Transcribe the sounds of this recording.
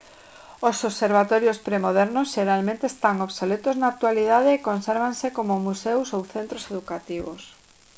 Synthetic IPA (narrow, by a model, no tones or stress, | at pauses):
osoβseɾβ̞at̪ɔɾjospɾemoð̞ɛɾnosʃeɾalmẽnt̪eːst̪aŋoβsolet̪oznak̚t̪waliðaðeːkonseɾβ̞ansekomomusewsowθent̪ɾoseðukat̪iβos